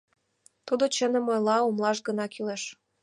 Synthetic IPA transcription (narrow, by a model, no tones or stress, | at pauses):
t̪ud̪ot͡ɕənə̆mojlɑumlˠɑʃɡə̆nɑkyleʃ